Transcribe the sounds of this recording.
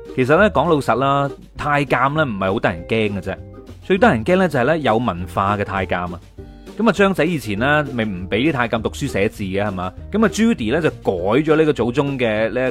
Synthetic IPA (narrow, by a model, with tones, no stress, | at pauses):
kʰe˨˩js̬ɐ˨t̚lɛː˥kɔː˨˥ŋlo˧wsɐ˨t̚laː˥ | t̪ʰaː˧jkaː˧mlɛː˥m̩˨˩hɐ˨jho˨˥wt̪aː˥jɐ˨˩nkɛː˥ŋkɐ˧t͡sɛː˥t͡ʃɵ˧ɥt̪aː˥jɐ˨˩nkɛː˥ŋlɛː˥t͡sɐ˨˩hɐ˨jlɛː˥jɐ˨˧wmɐ˨˩nfaː˧kɛː˧t̪ʰaː˧jkaː˧mɐ˧ | kɐ˨˥ma˨t͡ʃœː˥ŋt͡sɐ˨˥jiː˨˧t͡sʰiː˨˩nlɛː˥me˨jm̩˨˩pe˨˥jt̪iː˥t̪ʰaː˧jkaː˧mt̪ʊ˨k̚syː˥sɛː˨˥t͡siː˨ɡɛː˧hɐ˨˩maː˨˧kɐ˨˥ma˨t͡ʃyː˥t̪iː˨˩lɛː˥t͡sɐ˨wkɔː˨˥jt͡ʃɔː˨˥liː˥kɔː˧t͡so˨˥wt͡sʊ˥ŋkɛː˧liː˥